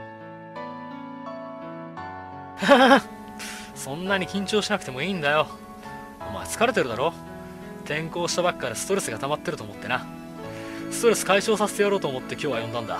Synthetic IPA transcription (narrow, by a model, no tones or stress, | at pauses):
ha | sõ̞nːaɲ̟ikʲĩɲ̟t͡ɕo̞ːɕinakɯ̟t̪e̞mo̞iːnd̪ajo̞ | oma̰t͡sɨ̥kaɾe̞t̪e̞ɾɯ̟d̪aɾo̞ː | t̪ẽ̞ŋko̞ːɕi̥t̪abakːaɾesɨ̥t̪o̞ɾe̞sɨɡat̪amat̪ːe̞ɾɯ̟t̪oːmot̪ːe̞na | sɨ̥t̪o̞ɾe̞sɨ̥kaiɕo̞ːsase̞t̪ejaɾo̞ːt̪oːmo̞t̪ːe̞kʲo̞ːβajõ̞nd̪ãnd̪a̰